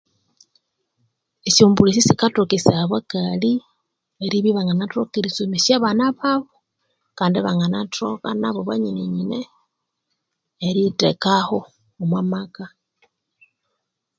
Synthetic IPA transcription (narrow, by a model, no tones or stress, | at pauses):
isombulisisikatokisaβakali | eɾiβiβaŋanatokiɾisomisaβanaβaβo | kaːndiβaŋɡanatʰo̰ka̰naβoβaɲineɲine | ɾitḛkaho | omwamaka